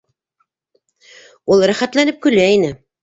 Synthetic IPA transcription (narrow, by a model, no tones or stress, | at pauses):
ulˠɾæχæt̪lænɘp̚kɵ̆læinɘ